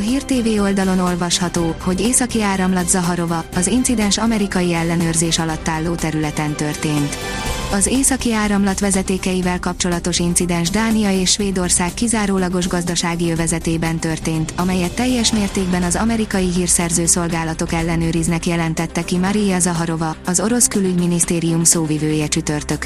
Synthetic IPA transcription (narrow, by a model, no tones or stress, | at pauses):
ɒɦiːrt̪eːveːo̞ld̪ɒlo̞no̞lvɒʃhɒt̪oːho̞ɟeːsɒkiaːɾɒmlɒd̪zɒɦɒɾo̞vɒɒzint̪sid̪ɛnʃɒmɛɾikɒjiɛlːɛnøːrzeːʃɒlɒt̪ːaːlːoːt̪ɛɾylɛt̪ɛnt̪ø̞rt̪eːnt̪ | ɒzeːsɒkiaːɾɒmlɒt̪ʋɛzɛt̪eːkɛjivɛlkɒp̚t͡ʃo̞lɒt̪o̞ʃint̪sid̪ɛnʒd̪aːnijɒeːʃʃʋeːd̪o̞rsaːkːizaːɾoːlɒɡo̞ʒɡɒzd̪ɒʃaːɡijøvɛzɛt̪eːbɛnt̪ø̞rt̪eːnt̪ɒmɛjɛt̪ːɛjːɛʃmeːrt̪eːɡ̚bɛnɒzɒmɛɾikɒjiɦiːrsɛrzøːso̞lɡaːlɒt̪o̞kɛlːɛnøːɾiznɛkjɛlɛnt̪ɛt̪ːɛkimɒɾijɒzɒɦɒɾo̞vɒːzo̞ɾo̞skylyɟminist̪eːɾijumsoːvivøːjɛt͡ʃyt̪ø̞rt̪ø̞k